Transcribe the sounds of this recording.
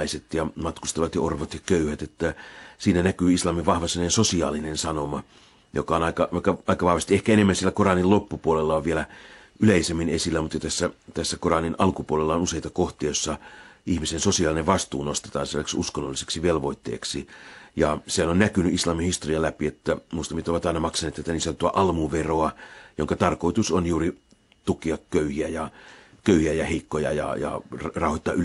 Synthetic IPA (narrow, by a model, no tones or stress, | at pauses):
iset̪jɑmɑt̪kust̪ɑʋɑt̪jɑorʋot̪jɑkøyhæt̪et̪ːæsiːnænækyːislɑmiʋɑhʋɑsenensosiɑ̰ːlinensɑnomɑ | jo̰kɑonɑikɑʋɑikːɑɑikɑʋɑhʋɑst̪iehkæenemːænsielːækorɑnillopːupuolelːɑoʋʋielæ | ʔyleisemːinesilːæmut̪jɑt̪æsːæt̪æsːækorɑninʔɑlkupuolelːɑonuseit̪ɑkoht̪ˑiɑjosːɑihmisensosiɑlineʋʋɑst̪uːnost̪et̪ɑ̰ːnselːæksuskonːolːise̥ksiʋelʋoit̪ːḛːksijɑsehænonnækynyʔislɑːmihist̪oriɑlæpiet̪ːæmuist̪ɑmːit̪oʋɑt̪ɑˑinɑmɑksɑnet̪ːæt̪ːæniːseont̪uɑʔɑlmuʋeroɑjoŋkɑt̪ɑrkoit̪usonjuːri | t̪ukiɑkkøyhiæjɑ | køyhiæjɑheikːojɑ̰jɑ̰jɑ̰rrɑˑuhoit̪ːɑːʔy